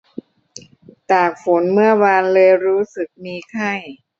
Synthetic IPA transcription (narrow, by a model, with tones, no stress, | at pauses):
t̪aː˨˩k̚fo˩˦nmɯ˥˩ɐwaː˧nlɤː˧jɾuː˦˥sɯ˨˩k̚miː˧kʰa˥˩j